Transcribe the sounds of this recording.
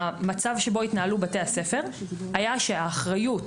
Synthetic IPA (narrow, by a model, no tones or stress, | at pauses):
mat͡savʃe̞bo̞it̪naalubate̞jase̞fe̞ʁajaʃe̞aːχʁajut